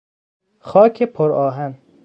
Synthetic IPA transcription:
χɒːkʰepʰoɾɒːɦæn

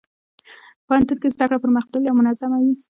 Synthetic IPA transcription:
pahant̪unkezd̪akɽapəɾməxd̪aɡjawmʊnazamawi

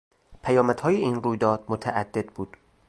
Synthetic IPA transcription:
pʰæjɒːmæd̪̥hɒːjeiːnruːjd̪ɒːd̪̥̚mot̪ʰæʔæd̪ːe̞d̪̚buːd̪̥

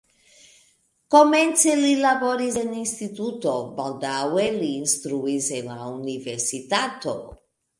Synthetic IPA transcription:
koment̪selilaboɾizeninst̪it̪ut̪obald̪aweliːnst̪ɾuizenlauniveɾsit̪at̪o̰

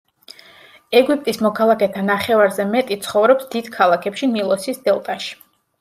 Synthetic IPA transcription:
ɛɡwip̚ʼt̪ʼismɔkʰalˠakʰɛt̪ʰanaχɛvaɾzɛmɛt̪ʼit̪sʰχɔvɾɔpsd̪id̪̥kʰalˠakʰɛpʃinilˠɔsisd̪ɛlˠt̪ʼaʃi̥

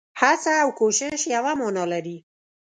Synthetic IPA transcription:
hat͡saːwkoʃɪʃjawamɑnɑlaɾi

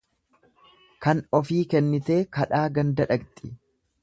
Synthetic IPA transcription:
kɐnɔfiːkɛnːɪt̪e̞ːkɐᶑaːɡɐnd̪ɐᶑɐkt̪ʼɪ

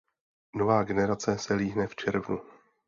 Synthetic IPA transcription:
novaːɡɛnɛɾat͡sɛsɛliːɦnɛft͡ʃɛɾvnu

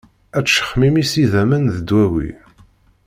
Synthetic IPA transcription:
æt͡sːʃə̥χmimisiðæmənðəd̪wæwḭ

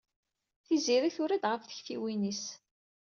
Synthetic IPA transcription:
θiziɾiθʊɾid̪ʁəfθə̥çθiwinis

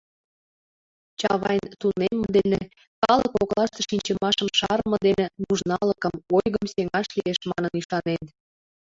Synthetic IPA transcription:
t͡ɕɑβɑjnt̪unemːə̆ə̆d̪ene | kɑləkoklɑʃt̪ə̆ʃinʲt͡ɕəmɑʃəmʃɑɾmɤ̆d̪enĕmuʒnɑləkəmojɣəmseŋɑʃlieʃmɑ̰nənyʃɑnen

